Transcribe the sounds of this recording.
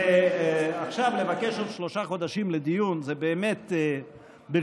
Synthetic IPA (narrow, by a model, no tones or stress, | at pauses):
e | aχʃavlevakeʃotʃlo̞ʃaχod̪aʃimled̪ijunzebeːmet̪ | be